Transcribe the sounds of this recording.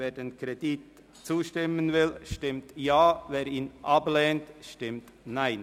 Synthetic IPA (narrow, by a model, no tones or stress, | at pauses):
veːdeːnkɾedit | t͡suːʃtɪmənvɪlʃtɪmtjaːveːɾiːnʔablɛːntʃtɪmt | naɪn